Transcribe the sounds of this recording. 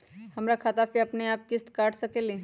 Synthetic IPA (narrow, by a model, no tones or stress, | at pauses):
həmɾakʰaːt̪asẽɐpneaːp̚kɪst̪kaːʈʰsəkeːli